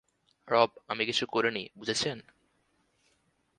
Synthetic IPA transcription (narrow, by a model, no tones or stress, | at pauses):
ɾɔb̚amikit͡ɕʰukoɾinibud͡ʑʱet͡ɕʰen